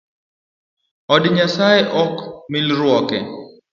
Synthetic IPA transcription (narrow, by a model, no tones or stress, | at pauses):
ɔdɲasajeʔɔkmɪlɾwɔkɛ̰